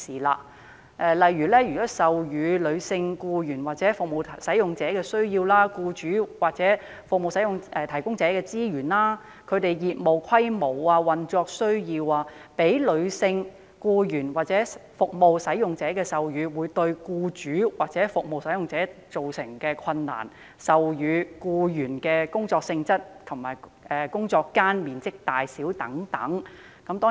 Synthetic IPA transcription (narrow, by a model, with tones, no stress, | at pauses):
iː˨˩la̰ː˧ | ʔɛː˧lɐ˨jyː˨˩lɛː˥jyː˨kɔː˨˥sɐ˨wjyː˨˧lɵ˨˧ɥsɪ˧ŋkuː˧jyː˨˩nwaː˨t̚t͡sɛː˨˥fʊ˨k̚mo˨˧wʰsɐ˨˥jʊ˨ŋt͡sɛː˨˥kɛː˧sɵ˥ɥjiː˧wlaː˥kuː˧t͡ʃyː˨˥waː˨k̚t͡sɛː˨˥ | fʊ˨k̚mo˨˧wsɐ˨˥jʊ˨ŋʔɛː˧t̪ʰɐ˨˩jkʊ˥ŋt͡sɛː˨˥kɛː˧t͡siː˥jyː˨˩nlaː˥ | kʰɵ˨˧ɥt̪e˨jjiː˨t̚mo˨wkʰɐ˥jmo˨˩waː˧wɐ˨nt͡sɔː˧k̚sɵ˥ɥjiː˧waː˧pe˨˥jlɵ˨˧ɥsɪ˧ŋ | kuː˧jyː˨˩nwaː˨˩t̚t͡sɛː˨˥fʊ˨k̚mo˨wsɐ˨˥jjʊ˨ŋt͡sɛː˨˥kɛː˧sɐ˨wjyː˨˧wuː˨˧jt̪ɵ˧ɥkuː˧t͡ʃyː˨˥waː˨˩k̚t͡sɛː˨˥fʊ˨k̚mo˨wsɐ˨˥jʊ˨ŋt͡sɛː˨˥t͡so˨wsɪ˨˩ŋkɛː˧kʰɐ˧nːa̰ː˨˩n | sɐ˨wjyː˨˧kuː˧jyː˨˩nkɛː˧kʊ˥ŋt͡sɔː˧k̚sɪ˧ŋt͡sɐ˥t̚t̪ʰʊ˨˩ŋma̰ː˨˩j | ʔɛː˨kʊ˥ŋt͡sɔː˧kːaː˥nmiː˨nt͡sɪ˥k̚t̪aː˨˩jsiː˨˥wt̪ɐ˨˥ŋt̪ɐ̰˨˥ŋ | kɐ˨˥mt̪ɔː˥